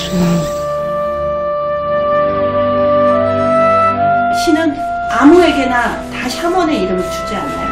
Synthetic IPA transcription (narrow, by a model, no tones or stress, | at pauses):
ɕʰinɯn | amue̞ɡe̞na | taɕʰamwʌne̞iɾɯmɯɭt͡ɕʰu̥t͡ɕ͈ia̰nːa̰jo̰